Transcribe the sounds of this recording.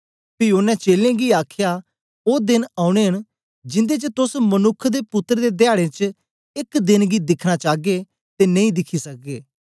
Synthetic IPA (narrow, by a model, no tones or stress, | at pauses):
piːʊnːɛ̃ːt͡ʃeːlẽːɡiːaːkʰja | oːd̪ɪnaːʊɽ̃eːɦən | d͡ʒɪ̃nd̪eːt͡ʃət̪ʊsmənʊkʰːd̪eːpʊt̪ːɾəd̪eːd̪ɪaːɽẽːt͡ʃ | ɪkd̪ɪnɡiːd̪ɪkʰñaːt͡ʃaːɡeː | t̪eːnə̃ĩːd̪ɪkʰisək̚ɡeː